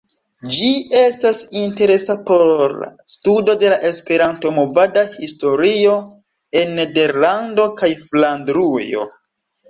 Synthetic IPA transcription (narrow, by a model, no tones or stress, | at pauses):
d͡ʒie̞stasinte̞ɾe̞sapo̞ɾ̰ | studo̞de̞laʔe̞spe̞ɾanto̞mo̞vadahisto̞ɾio̞ | e̞nːede̞ɾlando̞kajflandɾujo̞̰